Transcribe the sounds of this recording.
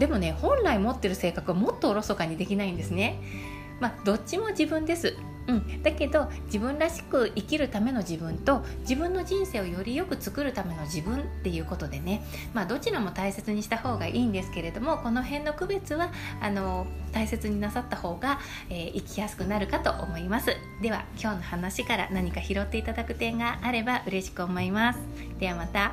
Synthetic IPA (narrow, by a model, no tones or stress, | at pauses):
d̪e̞mo̞ne̞hõ̞nɾaimo̞t̪ːe̞ɾɯ̟se̞ːkakɯβamo̞t̪ːo̞ːɾo̞so̞kaɲ̟id̪e̞kʲinaĩnd̪e̞sɨne̞ | mad̪̥o̞t͡ɕɕimo̞d͡ʑibɯ̟̃nd̪e̞sɨ | ɯ̟̃ɴd̪ake̞d̪o̞d͡ʑibɯ̟̃nɾaɕi̥kɯ̟ʔikʲiɾɯ̟t̪ame̞no̞ʑibɯ̟̃nt̪o̞d͡ʑibɯ̟̃nːoʑĩɰ̃se̞ːo̞jo̞ɾʲijo̞kɯ̟t͡sɨ̥kɯ̟ɾɯ̟t̪ame̞no̞ʑibɯ̟̃nt̪ːe̞jɯ̟ːko̞t̪o̞d̪e̞ne̞ | maːd̪o̞t͡ɕiɾamo̞t̪aise̞t͡sɨɲ̟iɕi̥t̪aho̞ːɡaʔiːnd̪e̞sɨ̥ke̞ɾe̞d̪o̞mo̞ko̞no̞ɦẽ̞nːo̞kɯ̟be̞t͡sɨβaano̞t̪aise̞t͡sɨɲ̟inasat̪ːaho̞ːɡa | e̞ːʔikʲijasɨ̥kɯ̟naɾɯ̟kat̪o̞ʔo̰mo̞imasɨ | d̪e̞β̞a̰kʲo̞ːno̞hanaɕikaɾa̰naɲ̟ikaçiɾo̞t̪ːe̞it̪ad̪akɯ̟t̪ẽ̞ŋɡaʔːɾe̞baʔɯ̟ɾe̞ɕi̥kɯ̟o̞mo̞imasɨ̥ | d̪̥e̞βamat̪a